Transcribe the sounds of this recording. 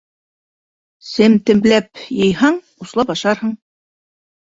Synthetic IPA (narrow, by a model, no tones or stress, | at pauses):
sɘmt̪ɘ̆mblæp̚jɤ̆jɦɑɴ | uslˠɑpɑʃɑɾhɤɴ